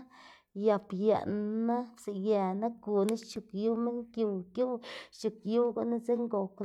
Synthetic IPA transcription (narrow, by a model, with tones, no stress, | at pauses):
ja˨pja̰˨ʔnna˦se˨ja˨na˦ɡu˨na˦t͡ʃu˨kju˦me˦ŋkju˨kju˦t͡ʃu˨kju˦ɡa˦ʔna˦ze˦ŋɡo˨k